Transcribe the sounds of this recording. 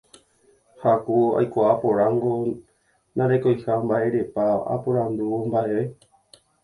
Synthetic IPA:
hakua̰jkʷaʔapo̞ɾãŋɡo | nãɾekojhambaʔe̞ɾe̞paa̰poɾand̪uwombaʔeʋe

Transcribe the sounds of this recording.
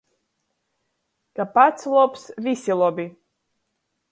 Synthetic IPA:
ɡ̥apʰat͡sʰlopʰsvisilobi

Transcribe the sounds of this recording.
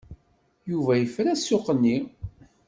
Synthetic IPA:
juvæjəfɾæsːoqːənːi

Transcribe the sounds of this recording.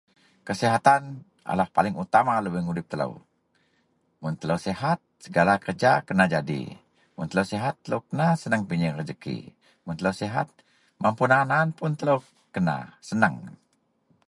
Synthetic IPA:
kəsiɦat̪an | ʔa̰lahpalɪŋut̪amaləbəhŋudɪp̚t̪ələ̰w | mʊnt̪ələwsɛɦat̪̚səɡalakərd͡ʒakənad͡ʒadḭ | mʊnt̪ələwsiɦat̪ːələwkənasənəŋpiɲəŋrəd͡ʒəkḭ | mʊnt̪ələwsiɦa̰t̪̚ | mampunanaːnpʊnt̪ələw | kəna̰sənəŋ

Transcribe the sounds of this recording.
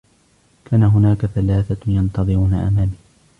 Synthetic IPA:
kʰaːnaɦʊnaːkaθalaːθajɑnt̪ɑðˤɨɾuːnaʔa̰maːmiː

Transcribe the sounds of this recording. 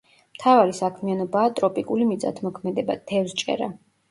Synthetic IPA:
mt̪ʰavaɾisakʰmianɔbaːt̪ʼɾɔpʼikʼulimit̪sʼa̰t̪ʰmɔkʰmɛd̪ɛbad̪̥ʰɛvst͡ʃʼɛ̰ɾa̰

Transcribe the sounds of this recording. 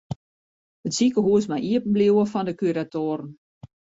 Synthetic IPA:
ətsikəɦuəsmajʔiəpən̩bliwəfɔndəkyɾatoːɾn̩

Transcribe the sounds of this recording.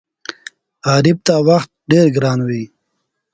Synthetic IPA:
aːɾib̚t̪awaxt̪̚ɖeɾɡɾɑːnwi

